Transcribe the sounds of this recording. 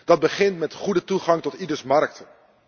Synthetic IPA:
d̥ɑd̚bəχɪntmɛtχudətuχɑŋtɔtidəɹsmɑɹk̚t

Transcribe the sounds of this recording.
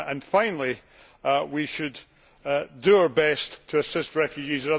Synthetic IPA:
ə̃nfãɪ̃nl̩ˠi | wiʃɨd | dəaə˞bɛsttʰəːsɪst̚ɹɛfjʉd͡ʒizə̃ʌ

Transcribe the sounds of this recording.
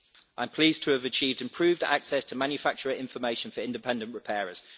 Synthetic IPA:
ʔãɪ̃mpʰl̥iːztʰəːvət͡ʃʰiːvdɪ̃mpʰɹ̥ʉːvda̰ksɛstʰəmãnjəfak̚t͡ʃəɹəʔɪ̃ɱfəmeɪʃə̃nfəɹɪ̃ndɪpʰɛ̃ndə̃nʔɹɪpʰɛːɹəz̥

